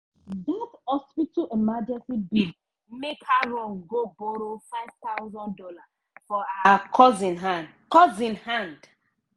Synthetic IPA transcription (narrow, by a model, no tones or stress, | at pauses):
datɔspitaʔemad͡ʒɛ̃nsibil | mekaɹɔ̃nɡoboɾofaɪv̥t̪awzɔ̃ndɔla | fɔaaakʰɔzĩnɦãnd | kɔzĩnhãnd